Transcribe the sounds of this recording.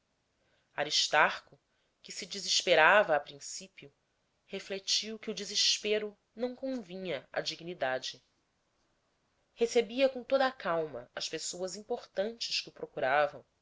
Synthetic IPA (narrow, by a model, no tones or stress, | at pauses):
aɾiʃt̪aɾkʊ | kɪsɪd͡ʒiziʃpeɾavɐːpɾĩsipiʊ | heflet͡ʃiwkɪʊd͡ʒiziʃpeɾʊ | nɐ̃w̃kõvĩɲɐɐ̰d͡ʒiɡnid̪ad͡ʒɪ | hesebiɐkõt̪od̪ɐːkawmɐ̰ɐʃpesowɐzĩpoχt̪ɐ̃nt͡ʃɪʃkɪʊpɾokuɾavɐ̃w̃